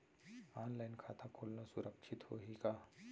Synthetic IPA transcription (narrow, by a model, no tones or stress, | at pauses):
aːnlajnkʰat̪ʰakʰolnasuɾəkʂʰit̪ho̰ɦika